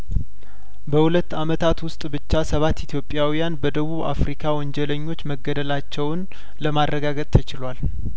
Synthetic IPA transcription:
bəhulət̪ːamət̪ʰat̪wʊst̪ʼbɨt͡ʃːasəβat̪ːit̪ʰjo̞pʼːjawijanbəd̪əβuβa̰fɾikʰawɔnd͡ʒɛləɲːo̞t͡ʃːməɡːəd̪əlat͡ʃːɛwn | ləmaɾːəɡaɡət̪ʼt̪ʰət͡ʃɪlwal

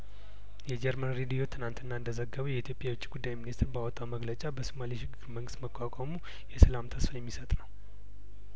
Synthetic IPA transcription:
jɛd͡ʒɛɾmənɾed̪ijo̞t̪ʰɨnant̪ʰɨnːaɨnd̪əzəɡːəβəjɛit̪ʰjopʼjawot͡ʃːiɡud̪ːajminist̪ɾbawɔt̪ʼːawməɡlət͡ʃʼabəsumaliʃɪɡɨɾməŋɡɨst̪məkʼːakʼamu | jɛsəlamt̪ʰəsfajɛmːisət̪ʼnəw

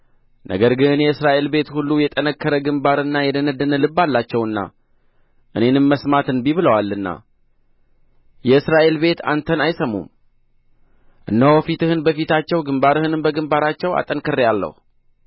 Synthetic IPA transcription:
nʔə̰ɡəɾɡɨnjɛɨsɾaʔe̞lbe̞t̪hulːujɛt̪ʼənəkːəɾəɡɨmbaɾɨnːajɛd̪ənəd̪ːənəlɨbːalːat͡ʃːɛwɨnːa̰ | ʔɨne̞nɨmməsmat̪ɨnbiβɨləwalːɨnːa̰ | jɛɨsɾaʔe̞lbe̞t̪a̰nt̪ʰənajsəmṵm | ʔɨnːəɔfit̪ɨhɨnbəfit̪ʰat͡ʃːɛwɡɨmbaɾɨhɨnɨmbəɡɨmbaɾat͡ʃːɛwa̰t̪ʼənkʰɨrːjalːə̰hu

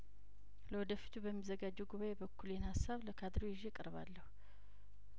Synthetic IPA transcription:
ləwɔd̪əfi̥t̪ʰubəmːizəɡad͡ʒːɛwɡuβajebəkʰːuljɛnhasːaβləkʰad̪ɾojɪʒekʼɨɾβa̰lːəhu

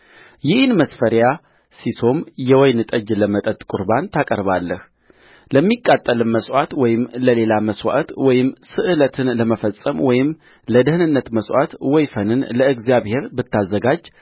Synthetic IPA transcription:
jɪhnməsfəɾja | siso̞mjɛwɔjnɨt̪ʼəd͡ʒləmət̪ʼət̪ʼkʼʊɾbant̪ʰakʼə̰ɾβalːəh | ləmːikʼːat̪ʼːəlɨmməswat̪wɔjɪmləle̞laməswa̰ʔt̪wɔjɪmsɨʔɨlət̪ʰɨnləməfəsʼəmwɔjɪm | ləd̪ɨhɨnɨnːət̪məswʷa̰t̪wɔjfənɨnləɨɡzjaβhe̞ɾbɨt̪ʰːazːəɡad͡ʒ

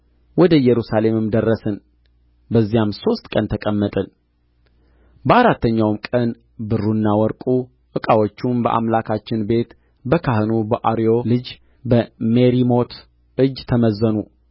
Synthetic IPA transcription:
wɔd̪əjɛɾusale̞mɨmd̪ərːəsɨn | bəzːijamso̞st̪ʼkʼənt̪ʰəkʼəmːət̪ʼɨn | bəʔaɾat̪ːəɲːawmkʼən | bɨrːunːawɔɾkʼu | ʔɨkʼawɔt͡ʃːumbəʔa̰mlakʰat͡ʃːɪnbe̞t̪ | bəkʰahɨnubəʔaɾijo̞lɨd͡ʒ | bəmeɾimo̞t̪ | ʔɨd͡ʒt̪ʰəməzːənu

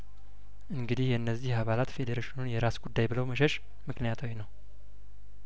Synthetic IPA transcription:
ʔɨŋɡɨd̪ihjɛɨnːəzːihaβalat̪fe̞d̪eɾeʃinunjɛɾasɡud̪ːajbɨləwməʃ̬ɛʃ | mɨknijat̪ʰawinəw

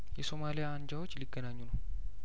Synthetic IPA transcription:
jɛso̞malijaːnd͡ʒawot͡ʃːliɡːənaɲːunəw

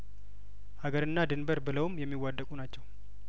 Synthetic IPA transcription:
ʔaɡəɾɨnːad̪ɨnbəɾbɨləwmjɛmːiwːad̪ːəkʼunat͡ʃːɛw

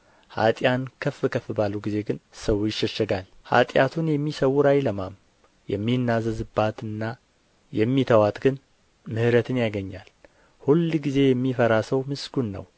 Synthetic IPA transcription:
ha̰t̪ʼjankʰəfɨkʰəfɨbalːuɡize̞ɡɨnsəwjɪʃːɛʃːɛɡal | ha̰t̪ʼjat̪ʰunjɛmːisəwuɾajləmam | jɛ̰mːinːazəzɨbːat̪ɨnːa | jɛmːit̪ʰəwat̪ɡɨn | mɨhɾət̪ʰɨnjaɡəɲːal | hulɡize̞jɛmːifəɾasəwmɨsɡunːə̰w

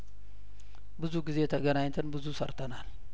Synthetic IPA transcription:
bɨzuɡize̞t̪ʰəɡənaɲt̪ʰɨnbɨzusɐɾt̪ʰənal

